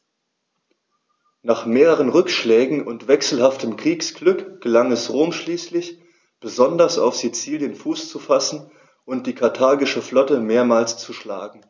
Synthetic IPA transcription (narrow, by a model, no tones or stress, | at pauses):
naːχmeːʁəʁ̞ənʁʏkʃlɛːɡŋ̩ʊntv̥ɛksl̩haftəmkʁ̥iːksɡ̥lʏkɡ̥əlaŋɛsʁoːmʃliːslɪç | b̥əzɔndɐsa̰ʊfz̥it͡siːljənfuːst͡sufasn̩ | ʔʊnt̚d̥iːkʰaɐtʰaɐɡɪʃəflɔtəmeːɐmaːlst͡suʃla̰ːɡŋ̩